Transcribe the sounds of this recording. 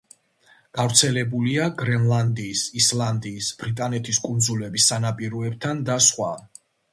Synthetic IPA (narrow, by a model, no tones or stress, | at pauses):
ɡ̥avɾt̪sʰɛlɛbuliaɡɾɛnlˠand̪iːsislˠand̪iːsb̥ɾit̪ʼanɛt̪ʰiskʼund̪zulɛbisːanapʼiɾɔɛb̚t̪ʰand̪asχwa̰